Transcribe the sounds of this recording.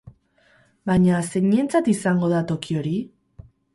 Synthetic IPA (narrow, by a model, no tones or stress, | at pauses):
baɲase̞ɲent͡sat̪isaŋɡo̞ð̞at̪o̞kio̞ɾi